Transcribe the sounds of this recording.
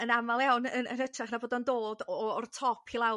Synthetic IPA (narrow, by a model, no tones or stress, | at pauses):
ənamalˠjawnənə̰nətʰraχnaboːdɔndoːdɔɔrtʰɔpʰilˠaw